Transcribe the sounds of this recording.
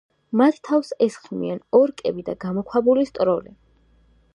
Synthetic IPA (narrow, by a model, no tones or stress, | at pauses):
mat̪ʰt̪ʰːafsɛsχmḭanɔɾkʼɛbid̪aɡamɔkʰwabulist̪ʼɾɔlɛ